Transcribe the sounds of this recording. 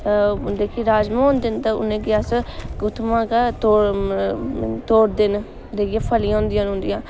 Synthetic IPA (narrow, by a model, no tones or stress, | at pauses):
d̪eːkʰiːɾaːd͡ʒmãõːnd̪ɪnt̪aʊ̰nẽːɡɪjaːsɡʊt̪ʰmãːkat̪o | t̪oːɾd̪ɪn | d̪eːɡjãːpʰəlij̃ːnd̪ɪjãːnɦʊ̃ːnd̪ijãː